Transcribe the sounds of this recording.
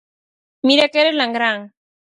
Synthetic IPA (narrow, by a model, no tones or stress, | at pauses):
miɾakeɾelaŋɡɾaŋ